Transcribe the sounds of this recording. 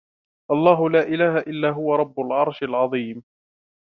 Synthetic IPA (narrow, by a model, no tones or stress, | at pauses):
ʔɑlˤːɑːɦʊlaːʔɪlaːhaʔɪlːaːɦʊwaɾˤɑbːʊlʕɑɾˤʃalʕɑðˤiːm